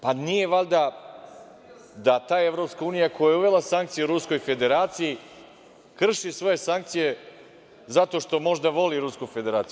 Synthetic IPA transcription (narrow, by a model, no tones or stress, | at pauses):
panije̞ʋalʲd̪a | d̪at̪aːje̞vɾo̞pskauːnijakʰojajeuʋe̞lˠasaŋk̚t̪sijuɾusko̞jfe̞d̪e̞ɾaːt̪siji | kr̩ʃisʋo̞je̞saŋk̚t̪sije | zat̪o̞ʃt̪o̞mo̞ʒd̪aʋo̞liɾuskufe̞d̪e̞ɾaːt̪si